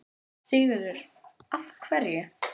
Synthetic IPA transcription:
sɪːɣɪðʏɾ̥ | afkʰvɛɾjʏ

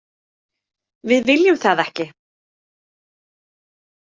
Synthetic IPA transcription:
vɪðvɪljʏmθaðɛhcɪ

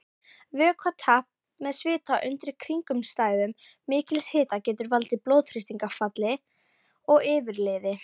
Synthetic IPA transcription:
vʏːkʰvat̪ʰahp̚ | mɛðsvɪːt̪ʰaʔʏnt̪ɾɪ̥kʰɾiŋkʏmst̪aːjðʏmː | ɪːcɪlshɪːt̪acɛːt̪ʏɾvalt̪ɪplowðfɾɪst̪iŋkafat̪lɪ | ɔɣɪːvɪɾleːðɪ

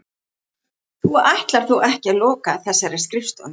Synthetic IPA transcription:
θuajht̪laɾ̥θuwʔɛhcɛlɔːkaθɛsːaɾɛ̥skɾɪft̪ʏ̰n

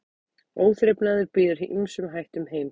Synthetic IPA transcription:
oːwθɾɛpnaðʏɾpiːðʏɾʔimsʏmɦajht̪ʏmheːjm

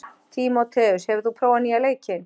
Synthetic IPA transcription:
t̪ʰimɔt̪ʰɛʏshɛvðupʰɾoːwanialeːjcɪn

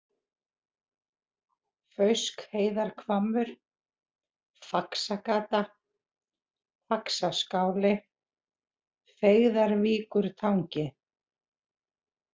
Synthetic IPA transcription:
fœɥskheːjðaɾ̥kʰvaːmːʏɾ̥ | faksakaːt̪a | faksaskaːwlɪ | feɣðaɾviːkʏɾt̪ʰawɲcɪ

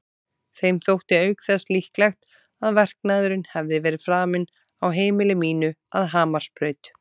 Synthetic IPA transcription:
θejmθowht̪ɪœːɥkθɛslihklɛxt̪ | aðvɛr̥k̚naːðʏɾɪnhɛvðɪvɛːɾɪðfɾaːmɪn | awɦeːjmɪlɪmiːnʏa̰ðɦaːmaɾ̥spɾœːɥt̪

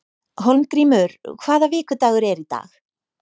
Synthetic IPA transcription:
ɦolmkɾiːmʏɾkʰv̥aːðavɪːkʏt̪aːɣʏɾɛɾit̪a̰ːx

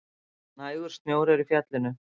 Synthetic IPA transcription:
naːjðʏɾ̥st̪mjowɾɛɾifjaːt̪lɪnʏ

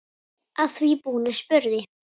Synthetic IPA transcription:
aðθvipuːnɪ̥spʏɾðɪ

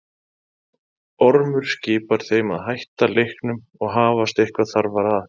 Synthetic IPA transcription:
ɔɾmʏɾ̥scɪːpaɾ̥θeːjmaðɦajht̪alejhknʏm | ɔɣɦaːvast̪ehkvaθaɾvaɾað

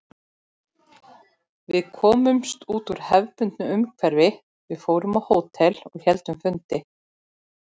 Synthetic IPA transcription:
vɪðkʰɔːmʏmst̪uːt̪uɾ̥hɛvpʏnt̪nʏʏmkʰvɛɾvɪ | vɪðfoːwɾʏmawhoːwt̪ʰɛlɔɣçɛlt̪ʏmfʏnt̪ɪ

